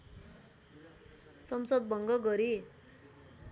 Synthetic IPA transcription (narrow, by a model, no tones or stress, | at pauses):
sʌmsʌd̪̚bʱʌŋɡʌɡʌɾi